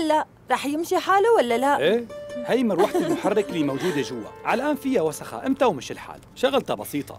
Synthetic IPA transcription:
lːaʔ | ɾˤɑːħjɪmʃiħaːlawalːalaʔeːhajmɪɾwaħt̪lmʊħarˤːɪkliːmawd͡ʒuːd̪aʒʊwːa̰ʕalʔaːnfɪjːawasaxa̰ʔɪmt̪awmɪʃɪlħa̰ːlʃaɣɪlt̪abɑsiːt̪ˤɑ̰

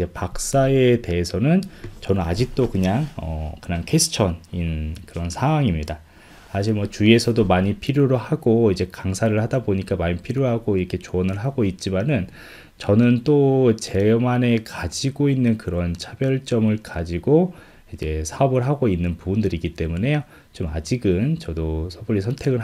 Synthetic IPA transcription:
id͡ʑe̞pak̚s͈ae̞te̞esʰʌnɯnt͡ɕʌnɯna̰d͡ʑik̚t͈okɯɲaŋʌkɯɲaŋkʰe̞sʰɯ̥t͡ɕʰʌninkɯɾʌnsʰaaŋimɲida | sʰaɕ̬ʰiɭmwʌt͡ɕuie̞sʰʌdomaɲipʰiɾjoɾohaɡoid͡ʑe̞kaŋsʰaɾɯɭhadaboɲik͈amaɲipʰiɾjoɦaɡoiɾʌkʰe̞t͡ɕoʌnɯɭɦaɡoit̚t͡ɕ͈imanɯn | t͡ɕʌnɯnt͈ot͡ɕe̞mane̞kad͡ʑiɡoinːɯnkɯɾʌnt͡ɕʰabjʌɭt͡ɕ͈ʌmɯɭkad͡ʑiɡo | id͡ʑe̞sʰaʌbɯɭɦaɡoinːɯnpubundɯɾiɡit͈e̞mune̞jo | t͡ɕoma̰d͡ʑiɡɯnt͡ɕʌdosʰʌbuɾːisʰʌntʰe̞ɡɯɭ

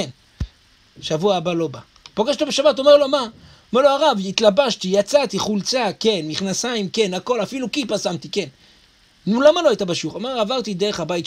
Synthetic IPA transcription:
n | ʃavuaːbalo̞ba | poɡeʃlobe̞ʃabat̪o̞me̞ʁlo̞ma | omeʁlo̞aʁavit̪labaʃt̪ijat͡sat̪iχult͡sake̞nmiχnasaimke̞nako̞lafilukipasamt̪ike̞n | nulamaloajt̪abaʃuχomeʁavaʁt̪id̪e̞eχabait

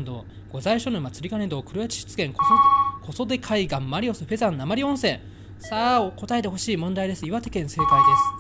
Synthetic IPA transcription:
nd̪o̞̰ː | ɡ̥o̞zaiɕonomat͡sɨɾʲikane̞nd̪o̞ːkɯ̟ɾɯjat͡ɕi̥ɕi̥t͡sɨ̥ɡẽ̞ŋkkʰo̞so̞d̪e̞kʰaiɡãmːaɾʲio̞sɨɸe̞zãnːamaɾʲiõ̞ɰ̃sẽ̞ | saːoko̞t̪aet̪eɦo̞ɕiːmõ̞nd̪aid̪e̞sɨiβat̪e̞kẽ̞ɰ̃se̞ːt̪aid̪e̞sɨ̥

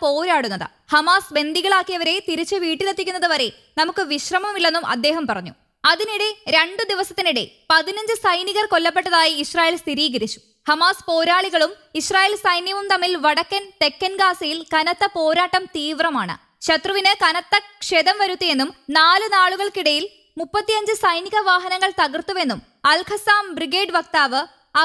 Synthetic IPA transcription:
po̞ːɾaːɽunːɐðɨ̰ | hɐmaːsbe̞nd̪iɣɐɭaːkːijɐʋɐɾe̞t̪iɾit͡ɕːɨʋiːʈːilɐt̪ːikʲːunːɐðɨʋɐɾe̞ | nɐmukːɨʋiɕrɐmɐmilːe̞nːumʔɐ̰d̪ːe̞ːɦɐmpɐrɐɲːu | ɐðiniɽe̞ɾeɳɖɨd̪iʋɐsɐt̪ːiniɽḛ | pɐðinɐɲd͡ʑɨsɐjniɣɐrko̞lːɐp̬ːe̞ʈːɐðaːjiːɕraːjelst̪iɾiːɣɐɾit͡ɕːu̥ | hɐmaːspo̞ːɾaːɭiɣɐɭum | iɕraːjeːlsɐjnjɐʋumt̪ɐmːilʋɐɽɐkːɐnt̪e̞kːɐnɡaːsɐjilkɐnɐt̪ːɐpo̞ːɾaːʈːɐmt̪iːʋrɐma̰ːɳɨ̰ | ɕɐt̪rɐʋinɨkɐnɐt̪ːɐkʂeːðɐmʋɐɾut̪ːije̞nːumnaːlɨnaːɭuɣɐɭkiɽɐjil | mupːɐt̪ːijɐɲd͡ʑɨsɐjniɣɐʋaːɦɐnɐŋːɐɭt̪ɐɣɐrt̪uʋe̞nːum | ɐlkʰɐsaːmbriɡe̞ːɖʋɐk̚t̪aːʋɨ | ɐ

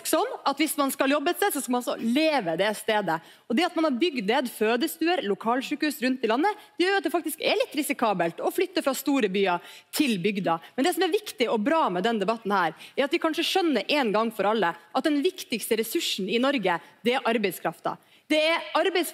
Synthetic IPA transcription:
ksɔnːɑt̪ʋɪsmɑnskɑljɔbːəɛt̪seːd̪sɔskɑmɑnɑsɔ̰leːʋəd̪ɛst̪eːd̪ə | ɔd̪ɛɑt̪mɑnhɑɾbʏɡd̪neːd̪føːd̪əst̪ʉːəɾlʊkʰɑːlʂʉːkhʉːsɾʉnt̪ːɪlɑnːəd̪ɛjœːjɾʊɑt̪̚d̪ɛfɑkt̪ɪskɛ̰ɾlɪt̪ːɾɪsɪkʰɑːbəlt̪ɔflʏt̪ːəfɾɑst̪uːɾəbyːɑt̪ʰɪlbʏɡd̪ɑmɛnd̪ɛsɔmɛɾʋɪkt̪ɪɔbɾɑːmɛd̪ɛnd̪ɛbɑt̪ːn̩hæːɾɛɾɑt̪ʋɪkʰɑnʂəʂœnːəɾʔɛnɡɑŋːfɔɾɑlːəʔɑt̪̚d̪ɛnʋɪkt̪ɪkst̪əɾɛsʉʂn̩ɪnɔɾɡəd̪ɛæɾʔɑɾbɛɪskʰɾɑft̪ɑ̰ | d̪̥ɛɛɾɑɾbɛs

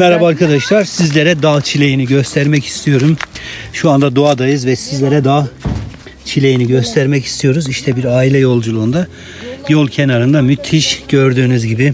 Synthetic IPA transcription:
mɛɾhabaːɾkʰad̪aʃlˠaɾsizlʲeɾɛd̪at͡ʃʰilʲe̞jiniɟø̞st̪ʰæɾmɛci̥st̪ʰijo̞ɾumʃuand̪ad̪uad̪ajɯzvɛsizlʲeɾɛd̪aː | t͡ʃʰilʲe̞jiniɟø̞st̪ʰæɾmɛci̥st̪ʰijo̞ɾuziʃt̪ʰɛbiɾaːilʲɛjo̞lˠd͡ʒulˠuːnd̪a | jo̞lˠcʰenaɾɯnd̪amyt̪ʰːiʃɟø̞ɾd̪yːnyzɟibɪ

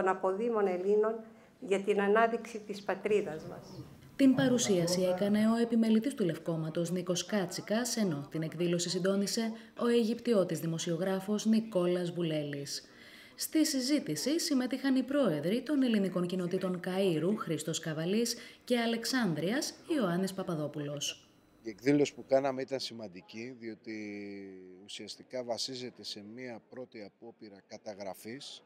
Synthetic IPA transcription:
t̪onɐpo̞ðimo̞ne̞lino̞n | ʝɐt̪inɐnɐðiksit̪ispɐt̪ɾiðɐzmɐ̰s | t̪impɐɾusiɐsie̞kɐne̞o̞e̞pime̞lit̪ist̪ule̞fko̞mɐt̪o̞zniko̞skɐt͡sikɐse̞no̞t̪ine̞kðilo̞sisind̪o̞nise̞ | o̞e̞ʝipt̪io̞t̪izðimo̞sioɣɾɐfo̞zniko̞lɐzvule̞lisː | t̪isizit̪isisime̞t̪ixɐnipɾo̞e̞ðɾit̪o̞ne̞liniko̞ɲcino̞t̪it̪o̞ŋkɐiɾuxɾist̪o̞skɐvɐlisce̞ɐle̞ksɐnd̪ɾiɐsioɐnispɐpɐðo̞pulo̞s | ie̞kðilosi̥pukɐnɐme̞it̪ɐnsimɐnd̪iciðio̞t̪i | usiɐst̪ikɐvɐsize̞t̪e̞se̞miɐpɾo̞t̪iɐpo̞piɾɐkɐt̪ɐɣɾɐfis

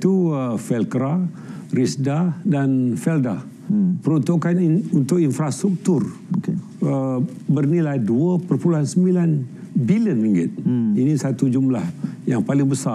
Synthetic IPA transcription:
t̪uəfɛlkɾa | ɾisdadanfɛlda | pəɾunt̪okanunt̪ʊk̚infɾast̪ɾuk̚t̪uroke | ə | bərnilajduəpərpuluɦansəmbilan | biliənliŋɡɪt̪̚inĩsat̪ud͡ʒumlahjaŋpalɪŋbəsa

